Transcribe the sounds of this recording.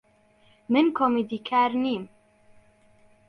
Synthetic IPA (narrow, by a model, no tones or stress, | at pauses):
mɨnkʰomid̪ikʰaːɾniːm